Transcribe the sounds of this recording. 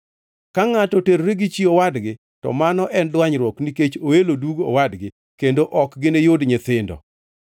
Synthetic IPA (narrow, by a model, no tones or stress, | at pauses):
kaŋatɔteɾɾeɡɪt͡ʃiowadɡɪ | tɔ̰manɔʔɛnlwaɲɾwɔkniket͡ʃoeloduɡo̰wadɡɪ | kendoʔɔkɡɪnejodɲɪt̪ɪndɔ̰